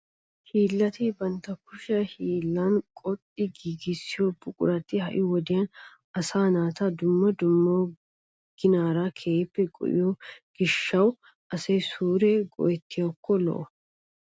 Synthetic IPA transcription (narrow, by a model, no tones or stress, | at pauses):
hiːlːɐt̪ɪbɐnt̪ɐkʊʃɛhiːlːankʼɔt̪ʼːɪɡiːɡisːɪjobʊkʼʊ̰ɾɐt̪ɪhɐʔɪwɔd̪ɪjɐn | ɐsaːnaːt̪ɐd̪ʊmːɐd̪ʊmːoː | ɡ̥ɪnaːɾakʰeːpːɛɡʼɔ̰ʔɪ̰joɡ̥ɪʃːɐw | ʔɐsɛjsuːɾeːɡɔ̰ʔɛt̪ːɪjɐkːɔlɔ̰ʔɔ